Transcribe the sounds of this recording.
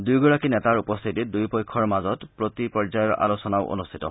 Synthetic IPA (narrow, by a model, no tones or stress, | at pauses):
dujɡɔɹakinɛtaɹupɔst̪ʰitidujpɔjkʰɔɹmazɔtpɹotipɔzajɔɹʔa̰losɔnaʊʔo̰nust̪ʰitɔ